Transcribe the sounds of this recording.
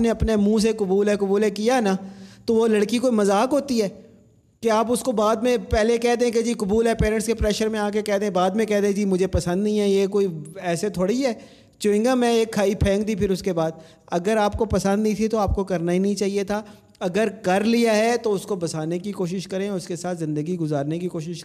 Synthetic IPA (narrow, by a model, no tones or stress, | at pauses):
neɐpnemũːs̬ekʊbuːlɦɛkʊbuːlɦɛkijanat̪oʋolɐɽkikoːimɐzaːkɦoːt̪iɦɛː | keaːpʊskobaːd̪mẽpɛɦlekɛɦd̪eɛ̃ked͡ʒiːkʊbuːlɦɛpeːɾə̃ɳʈskepɾɛːʃəɾmẽaːk̬ekɛːɦd̪eɛ̃baːd̪mẽkɛɦd̪eɛ̃d͡ʒiːmʊd͡ʒʱepɐsə̃nd̪nĩɦɛjekoːiɛːset̪ʰoːɽiɦɛː | t͡ʃõːɪ̃ŋɡamɛ̃eːkʰːaːipʰɛ̃ːŋkd̪ipʰɪɾʊskebaːd̪̚ | ɐɡəɾaːp̚kopɐsə̃nd̪ĩt̪ʰit̪oaːp̚kokɐɾnaɦinɐĩt͡ʃaːɦiet̪ʰaː | ɐɡəɾkɐɾlijaɦɛt̪oʊskobɐsaːnekikoːʃɪʃkɐɾẽʊskesaːt̪zɪ̃nd̪əɡiɡʊzaːɾnekikoːʃɪʃ